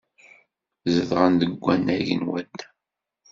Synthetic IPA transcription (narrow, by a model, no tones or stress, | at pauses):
zəðʁənd̪əɡʷːænːæʝə̰nwæd̪